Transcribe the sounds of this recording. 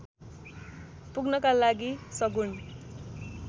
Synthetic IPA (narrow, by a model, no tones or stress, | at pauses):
puɡnʌkalaɡisʌɡun